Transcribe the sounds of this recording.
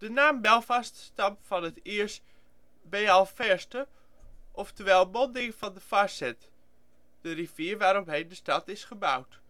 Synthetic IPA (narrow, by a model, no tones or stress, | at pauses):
d̥ənaːmbɛlˠfɑststɑmfɔnətɪəɹst | beːɛlˠfɛɹstə | ʔɔftəʋɛlˠbɔndɪŋfɑndəfasɛt | d̥əriviəɹʋaːɾɔpɦejndəstɑtɪsχəbawt